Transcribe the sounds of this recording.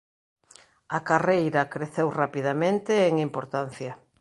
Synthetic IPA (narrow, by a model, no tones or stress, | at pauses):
akarejɾɐkɾeθewrapiðamẽnt̪ɪːŋimpoɾt̪an̟θjɐ